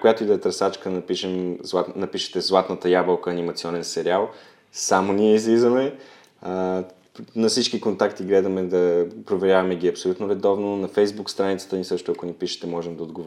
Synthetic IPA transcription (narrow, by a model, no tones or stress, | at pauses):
kojat̪oid̪ɐɛt̪ɾɐsat͡ʃkənɐpiʃɛmzlˠanɐpiʃə̥t̪ɛzlˠat̪nət̪əjabəlˠkəːnimɐt̪siɔnɛnsɛɾialˠ | samoniɛizlizəmɛ | nɐfsit͡ʃkikont̪akt̪iɡlɛd̪əmɛd̪ɐpɾovɛɾʲjavɐmɛɡiɐpsolʲut̪noɾɛd̪ɔvnonɐfɛjzbukst̪ɾanit̪sə̥t̪ənisɤʃt̪ʊɐkonipiʃə̥t̪ɛmɔʒɛmd̪ɐod̪ɡov